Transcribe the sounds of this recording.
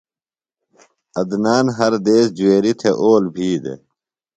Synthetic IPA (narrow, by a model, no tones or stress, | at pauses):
ɐd̪naːnɦɐɾd̪eːsd͡ʑueːɾit̪ʰeʔoːlbʱiːd̪ḛ